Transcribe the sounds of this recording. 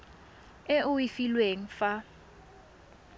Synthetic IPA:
eʔʊwifilweŋ̩fa

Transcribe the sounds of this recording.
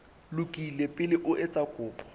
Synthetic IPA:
lʊkʼilepʼɪlɪʔʊʔɛt͡sʼakʼʊːpʼɔ̥

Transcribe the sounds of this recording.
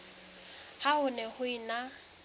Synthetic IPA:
haʊnɛhʊina

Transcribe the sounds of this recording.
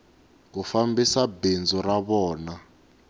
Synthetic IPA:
kufambisabend͡zɔraβɔːna

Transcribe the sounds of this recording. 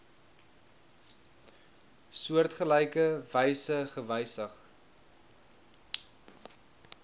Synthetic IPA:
suərtχəlɛjkəvɛjsəχəvɛjsəχ

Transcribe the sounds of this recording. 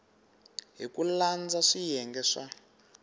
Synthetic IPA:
ɦikuland͡zaʂijɛŋɡɛʂa

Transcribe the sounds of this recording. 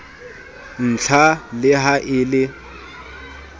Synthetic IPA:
n̩t͡ɬʰalɪɦaʔɪlɪ

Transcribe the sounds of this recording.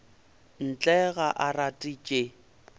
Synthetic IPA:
n̩t͡ɬʼɛɣaʔaratʼit͡ʃʼe

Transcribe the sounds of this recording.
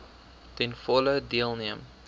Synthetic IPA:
tɛnfɔlədiəlˠniəm

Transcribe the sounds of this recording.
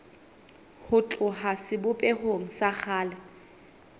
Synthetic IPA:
hʊt͡ɬʼʊɦasɪbʊpʼɛhoŋ̩sak͡xʰaːlɛ

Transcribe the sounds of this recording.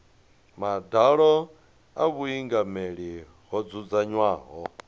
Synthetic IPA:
madaɺɔ | aβuiŋɡameɺi | ɦɔd͡zud͡zaɲwaːɦɔ

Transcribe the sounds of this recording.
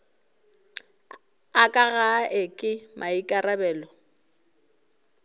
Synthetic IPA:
akʼaɣaʔɪkʼɪmʔaikʼarabɛːlɔ

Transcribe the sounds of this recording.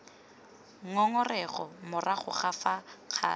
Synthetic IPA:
ŋɔŋɔrɛχɔmʊraχʊ̰χafaq͡χʰa̰ː

